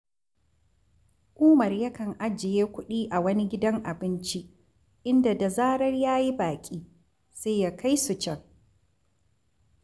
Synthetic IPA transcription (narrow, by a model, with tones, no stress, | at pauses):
kʷʼuː˦mɐ˨rja˦kɐ˨ŋʔa˦d͡ʒɪ˨jeː˦kʷʊ˦ɗiː˦ʔa˨wɐ˦ni˦ɡʲɪ˦dɐ˦ŋʔa˨bɪ˦nt͡ʃi˦ | ʔɪ˦nda˨da˨zaː˦ɽɐ˦rjaː˦ji˦baː˨kʲʼiː˦ | seː˦jaː˦kʰa˦jsu˨t͡ʃɛ˦ŋ